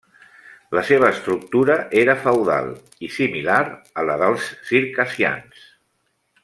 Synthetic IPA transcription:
ləseβ̞əːst̪ɾuk̚t̪uɾəʔeɾəfəwða̰lˠ | isimilaɾələðəlˠsːiɾkəsia̰ns

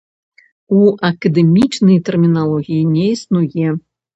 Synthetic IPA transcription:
uɐkɐd̪ɛmʲit͡ʂnɐjt̪ɛrmʲinalˠɔɣʲijinʲɛisnujɛ

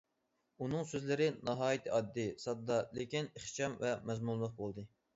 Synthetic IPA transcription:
unɨŋsøzlɪɾɪnɑɦɑːjit̪ʰɨɑd̪ːɨsɑd̪ːɑlekʲineχt͡ʃɑmvɛmɛzmunlːˠʊq̚bolˠd̪ɨ

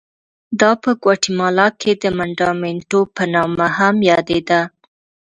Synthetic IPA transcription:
d̪ɑpəɡwɑʈimɑlɑkʰed̪əmaɳɖɑmeɳʈopənɑmahamjɑd̪ed̪a

